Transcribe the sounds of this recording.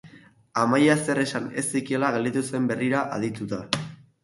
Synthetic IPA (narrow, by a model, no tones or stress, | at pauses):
amajase̞re̞sanesikielaɣeld̪it̪use̞mbe̞riɾaʔað̞it̪ut̪a